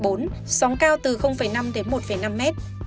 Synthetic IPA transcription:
ɓo˨˦n | sɔ˨˦wŋ͡mkaː˧wt̪ɨ˨˩xə˧wŋ͡mfə˧˩jna˧mɗe˨˦nmo˨˩t̚fə˧˩jna˧mːɛ˦˥t̚

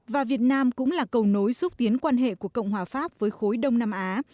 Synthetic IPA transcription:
vaː˨˩vi˨˩ət̚naː˧mkʊ̰˧˥ŋ͡mlaː˨˩kə˨˩wno˨˦jsʊ˦˥k͡p̚t̪i˨˦ənkwaː˧nɦḛ˧˨ku˧˩əkə̰˧˨wŋ͡mhwaː˨˩faː˦˥p̚vəː˨˦jxo˨˦jɗə˧wŋ͡mnaː˧mʔaː˨˦

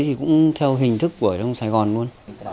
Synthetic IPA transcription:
jt̪ʰi˨˩kʊ̰˧˥ŋ͡mt̪ʰɛ˧wɦï˨˩ŋ̟t̪ʰɨ˦˥k̚ːu˧˩ət͡ɕɔ˧wŋ͡msaː˧jɣɔ˨˩nlu˧ən

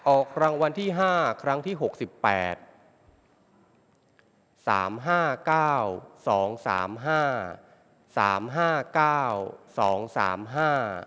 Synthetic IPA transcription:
ʔɔː˨˩kʰɾa˧ŋwa˧nt̪ʰiː˥˩ɦaː˥˩kʰɾa˦˥ŋt̪ʰiː˥˩ɦo˨˩k̚si˨˩pːɛ̰ː˨˩t̪̚ | sa̰ː˩˦mɦaː˥˩kaː˥˩wsɔː˩˦ŋsa̰ː˩˦mɦaː˥˩ | sa̰ː˩˦mɦaː˥˩kaː˥˩wsɔː˩˦ŋsa̰ː˩˦mɦaː˥˩

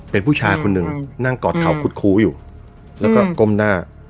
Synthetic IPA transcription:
pe˧npʰuː˥˩t͡ɕʰaː˧jkʰo˧nːɯ˨˩ŋna˥˩ŋkɔː˨˩t̪̚kʰa˩˦wkʰuː˦˥˩t̪̚kʰuː˦˥juː˨˩ | lɛː˦˥wkɔː˥˩ko˧˥˨mnaː˥˩

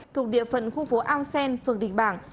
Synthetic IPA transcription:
t̪ʰu˨˩k̚ɗḭ˧˨əfə̰˧˨nxu˧fo˨˦ʔaː˧wsɛ˧nfɨ˨˧˩əŋɗḭ̈˧˩ŋ̟ɓaː˧˩ŋ

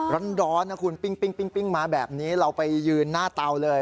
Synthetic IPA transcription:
ɾa˦˥ndɔː˦˥nna˦˥kʰu˧npi˥˩ŋpi˥˩ŋpi˥˩ŋpi˥˩ŋmaː˧˥bɛː˨˩p̚niː˦˥ɾa˧wpa˧jːɯː˧nːaː˥˩t̪a˧wlɤː˧j

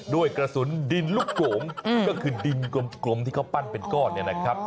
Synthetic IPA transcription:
du˥˩əjkɾa˧su˩˦ndi˧nlu˥˩kːloː˩˦mkɔː˥˩kʰɯː˧di˧nko˧˦mklo˧˦˥mt̪ʰi˥˩ka˥˩wpa˥˩npe˧nkɔː˥˩nnːi˥˩ɐna˦˥kʰɾa˦˥p̚

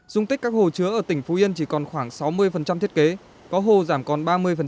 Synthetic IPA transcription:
z̥ʊ˧ŋ͡mt̪i˦˥kaː˦˥k̚ho˨˩t͡ɕɨ˨˦əʔəː˧˩t̪ï˧˩ŋ̟fo˨˦i˧ənt͡ɕi˧˩kɔ˨˩nxwaː˧˩ŋsa˨˦wmɨ˧əjfə˨˩nt͡ɕa˧mt̪ʰi˦˥ə˥ke˨˦ | kɔ˨˦ɦo˧˨˩zaː˧˩mkɔ˨˩nɓaː˧mɨ˧əjfə˨˩

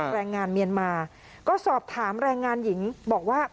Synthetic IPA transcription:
ɾɛː˧ŋːaː˧nmi˧ənmaː˧ | kɔː˥˩sɔː˨˩p̚t̪ʰaː˩˦mɾɛː˧ŋːaː˧nji˩˦ŋbɔː˨˩k̚waː˥˩

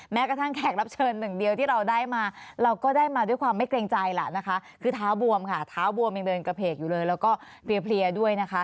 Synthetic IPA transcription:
mɛː˦˥kɾa˧t̪ʰa˥˩ŋkʰɛː˨˩k̚ɾa˦˥p̚t͡ɕʰɤː˧nːɯ˨˩ŋdi˧əwt̪ʰiː˥˩ɾa˧wdaː˥˩jmaː˧ɾa˧wkɔː˥˩daː˥˩jmaː˧du˥˩əjkʰwaː˧mːa˥˩jkleː˧ŋt͡ɕa˧jla̰˨˩na˦˥kʰa˦˥ʔkʰɯː˧t̪ʰaː˦˥wbu˧əmkʰa˥˩t̪ʰaː˦˥wbu˧əmja˧ŋdɤː˧nka˧pʰeː˨˩k̚juː˨˩lɤː˧jlɛː˦˥wkɔː˥˩pʰli˧əpʰli˧ədu˥˩əjna˦˥kʰa˦˥

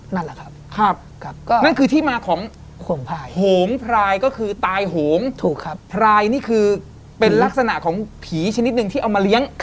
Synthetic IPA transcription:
na˥˩la˨˩kʰa˦˥kʰɾa˦˥˩p̚k̚ʰkːna˥˩nkʰɯː˧t̪ʰiː˥˩maː˧kʰɔː˩˦ŋʰ | o˩˦ŋpʰaː˧hoː˩˦ŋpʰɾaː˧jkɔː˥˩kʰɯː˧t̪aː˧jɦoː˩˦ŋt̪ʰuː˨˩kʰa˦˥ppʰɾaː˧jniː˥˩kʰɯː˧ | pe˧nla˦˥k̚sa˧na˨˩ʔkʰɔː˩˦ŋpʰiː˩˦t͡ɕʰa˧ni˦˥t̪̚nɯ˧ŋt̪ʰiː˥˩ʔa˧wmaː˧li˦˥əŋ

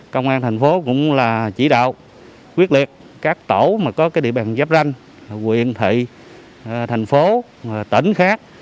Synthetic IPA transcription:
kə˧wŋ͡mʔaː˧nt̪ʰjŋ̟fo˨˦kʊ̰˧˥ŋ͡mlaː˨˩t͡ɕi˧˩ɗa̰ː˧˨w | kwi˦˥ət̚li˨˩ət̚ | kaː˦˥k̚t̪o˧˩maː˨˩kɔ˨˦kaː˨˦jɗḭ˧˨ɓaː˨˩nzaː˦˥p̚za˧jŋ̟ | laː˨˩kwḭ˧˨ənt̪ʰḭ˧˨ | t̪ʰa˨˩jŋ̟fo˨˦˨ | t̪ə˧˩˦nxaː˦˥k̚

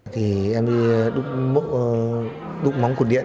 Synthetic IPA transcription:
t̪ʰi˨˩ʔɛ˧mɗi˧ɗʊ˦˥k͡p̚mo̰˧˨ | ɗʊ˦˥k͡p̚ma˨˦wŋ͡mku˧˩əɗḭ˧˨ə˨

